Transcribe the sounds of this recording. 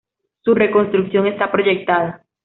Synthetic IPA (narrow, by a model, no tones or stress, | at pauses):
sure̞ko̞nst̪ɾuksjo̞ŋe̞st̪apɾo̞ʝe̞k̚t̪aða